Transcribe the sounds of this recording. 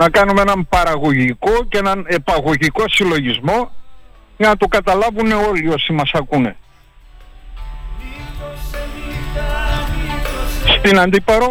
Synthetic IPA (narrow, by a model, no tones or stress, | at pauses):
nɐkɐnumenɐmpɐɾɐɣo̞ʝiko̞ceenɐne̞pɐɣo̞ʝiko̞silo̞ʝizmo̞ | ʝɐnɐt̪okɐt̪ɐlɐvune̞o̞lio̞simɐsɐkune̞̰ | st̪inɐnd̪ipɐɾo